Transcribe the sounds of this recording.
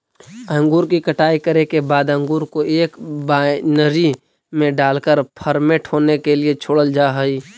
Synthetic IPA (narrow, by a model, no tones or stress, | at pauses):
ə̃ŋɡuːɾkikəʈaːikəɾekebaːd̪ə̃ŋɡuːɾkoʔeːkbanəɾi | mẽɖaːlkəɾpʰəɾmẽʈʰɦoːnekeliet͡ʃʰoːɽəld͡ʒaːɦəi